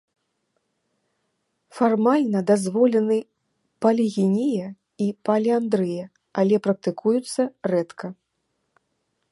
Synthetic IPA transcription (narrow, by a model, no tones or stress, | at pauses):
farmalʲnɐd̪azvɔlʲɛnɨ | pɐlʲiɣʲinʲijɛ | ipalʲiand̪ɾɨjɛ | alʲɛpɾɐk̚t̪ɨkujut̪sːɐrɛt̪kʰɐ